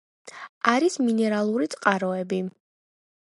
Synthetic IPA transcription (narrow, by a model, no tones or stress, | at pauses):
aɾisminɛɾalˠuɾit̪sʼqʼaɾɔɛbi